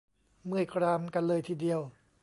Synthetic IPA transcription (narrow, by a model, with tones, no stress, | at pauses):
mɯ˥˩əjkʰɾaː˧mka˧nlɤː˧jt̪ʰiː˧˩di˧əw